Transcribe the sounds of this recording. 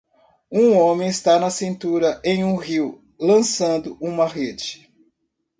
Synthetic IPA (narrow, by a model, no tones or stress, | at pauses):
ũõmẽj̃ɪst̪anɐsĩnt̪uɾɐʔẽj̃ũɦiw | lɐ̃sɐ̃nd̪ʊʔũmɐɦed͡ʒɪ